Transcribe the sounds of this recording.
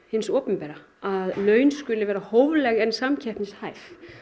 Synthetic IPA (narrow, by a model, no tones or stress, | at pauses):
hɪnsɔːpʏmpɛːɾa | aðlœːɥnskʏlɪvɛːɾahoːwvlɛɣɛnsamcʰɛhp̪nɪshajf